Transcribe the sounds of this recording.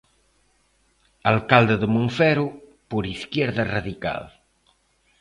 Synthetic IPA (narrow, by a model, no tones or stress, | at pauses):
alkald̪eðəmuɱfɛɾu | poɾiskjɛɾðaraðika̰l